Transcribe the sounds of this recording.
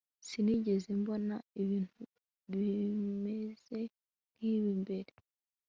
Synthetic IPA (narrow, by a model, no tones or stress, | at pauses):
siniɟe̞zembo̞naiβiːn̥tu | βimeze̞ | niβimbe̞ɾe